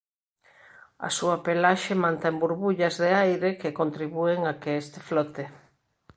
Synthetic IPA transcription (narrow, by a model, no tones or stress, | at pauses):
ɐ̰suapelaʃemãnt̪embuɾβuʎɐzðeajɾekekont̪ɾiβueŋakeest̪ɪflɔt̪e